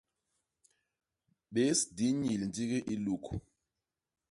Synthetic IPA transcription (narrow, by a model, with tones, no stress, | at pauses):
ɓe˦sdi˨˦ɲi˨li˨nti˦k̬ɛ˦ʔi˦lu˦kʰu˨